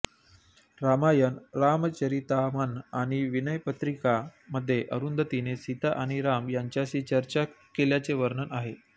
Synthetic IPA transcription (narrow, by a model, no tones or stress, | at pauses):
ɾamajənɾamt͡ɕəɾit̪amanaɽ̃iʋinəjpət̪ɾikaməd̪ʱːjeʔəɾund̪ət̪inesit̪aʔaɽ̃iɾamjaɲt͡ɕjaɕiːt͡ɕəɾt͡ɕa | keljat͡seʋəɾnənaɦe